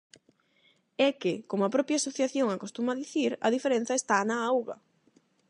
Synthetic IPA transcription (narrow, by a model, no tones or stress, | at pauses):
ɛkɪkomapɾɔpjasoθjaθjoŋakost̪umaðiθiɾɐ̰ðifeɾẽn̟θɐest̪anaawɣɐ̰